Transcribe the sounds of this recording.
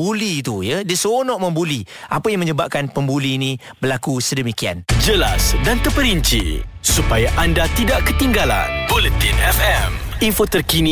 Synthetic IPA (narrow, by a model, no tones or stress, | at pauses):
buliːt̪ujədiəsəonɔʔmə̃mbuli | ʔapajaŋməɲəbap̚kanpəmbuliːnĩ | bərlakusədəmikia̰nd͡ʒəla̰sdant̪əpəɾiɲt͡ʃḭsupajaʔandat̪idaʔkət̪iŋɡala̰nbolət̪inɛfɛm | infot̪ərkinĩ